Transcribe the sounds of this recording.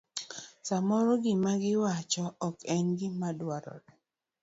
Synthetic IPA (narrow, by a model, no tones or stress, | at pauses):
samɔɾɔɡɪmaɡɪwat͡ʃɔɔkɛnɡɪmadwaɾɔ̰d